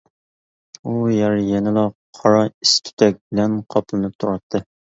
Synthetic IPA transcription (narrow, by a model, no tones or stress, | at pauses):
ujæɾjɛnɪlˠɑqʰɑɾɑist̪ʲʰy̥t̪ʰɛk̚ʲbɪlɛnqʰɑplˠɨnɨp̚t̪ʰuɾɑt̪ʰːɨ